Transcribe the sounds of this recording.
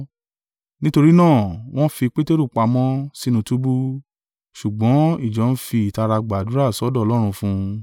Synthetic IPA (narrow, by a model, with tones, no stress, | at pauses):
nĩ˦to˧ɾi˦nãː˦˨w̃ɔ̃˦fi˧k͡pe˦te˦ɾu˦˨k͡pa˨˧mɔ̃˦si˦nũ˧tu˦bu˦ | ʃu˨ɡ͡bɔ̃˨˦i˦˨d͡ʒɔ˨˦n̩˦fi˧i˨ta˧ɾa˧ɡ͡ba˨du˨˦ɾa˦˨sɔ˨˦dɔ˦ɔ˧lɔ˦ɾ̃ũ˧fũ˧